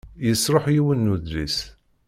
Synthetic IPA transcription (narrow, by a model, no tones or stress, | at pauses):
jəsˤɾˤoħjiwənːuðɾis